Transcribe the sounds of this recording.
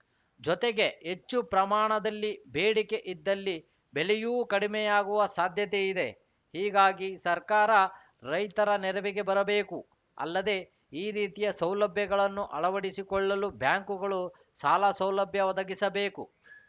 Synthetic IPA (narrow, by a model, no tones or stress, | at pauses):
d͡ʒɔt̪eɡe̞ɦet͡ʃːupɾɐmaːɳɐd̪ɐlːibeːɽike̞ʔid̪ːɐlːi | belɛjuːkɐɽimɛjaːɡuʋɐsaːd̪ʱjɐt̪eid̪e̞ | hiːɡaːɡisɐɾkaːɾɐ | ɾɐjt̪ɐɾɐnɛɾɐʋiɡe̞bɐɾɐbeːku | ɐ̰lːɐd̪e̞ | iːɾiːt̪ijɐsɐwlɐbʱjɐɡɐɭɐnːuʔɐɭɐʋɐɽisikɔɭːɐlubʱjaːŋkuɡɐɭu | saːlasɐwlɐbʱjɐʋɐd̪ɐɡisɐbe̞ːku